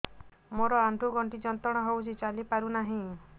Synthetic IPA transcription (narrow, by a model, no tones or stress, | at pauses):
moɾɔaɳɖʱuɡɔɳʈid͡ʒɔnt̪ɔɽ̃ɔɦewt͡ʃʰit͡ʃalipaɾunaɦĩ